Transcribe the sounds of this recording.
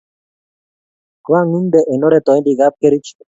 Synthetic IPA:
kwa˦ŋu˦nd̪eʔe˨no˦ɾet̪ɔ˨ẽ˦nd̪iɡap̚ke˦ɾi˦t͡ʃ

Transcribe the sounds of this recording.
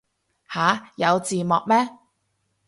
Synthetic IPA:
haː˨˧jɐ˨˧wt͡siː˨mɔː˨k̚mɛː˥

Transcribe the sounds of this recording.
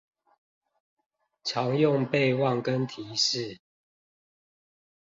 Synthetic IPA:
t͡ʃʰjɑ˨˦ŋjʊ˥˨ŋpe˥˨ɪwɑ˥˨ŋkə˦nt̪ʰi˨˦ʂɻ̩˥˨

